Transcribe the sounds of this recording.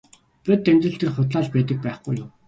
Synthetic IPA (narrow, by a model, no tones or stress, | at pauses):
pʲit̪ːemt̪rɘ̆ɬt̪ĕrχʊt̪ɮaːɮpæːt̪ə̆k̚pæːχɡujʊm